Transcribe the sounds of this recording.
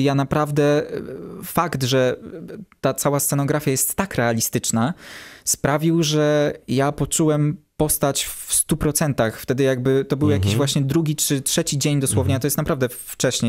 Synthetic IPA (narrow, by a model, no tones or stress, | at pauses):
janapɾavd̪ɛ | fakt̪ʐɛ | t̪at̪sawast̪sɛnɔɡɾafʲjajɛst̪ːakɾɛalʲist̪ɘt͡ʂnaspɾavʲiwʐɛjapɔt͡ʂuwɛmpɔst̪at͡ɕfst̪upɾɔt̪sɛnt̪axft̪ɛd̪ɘjaɡ̚bɘt̪ɔbɘwjakʲiʑvwaɕɲɛd̪ɾuɡʲit͡ʂɘtʂɛt͡ɕid͡ʑeɲd̪ɔswɔvɲaat̪ɔjɛst̪napɾavd̪ɛft͡ʂɛɕɲe